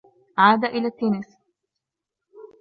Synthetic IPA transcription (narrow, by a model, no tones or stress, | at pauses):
ʕaːd̪aʔɪlat̪ːenɪs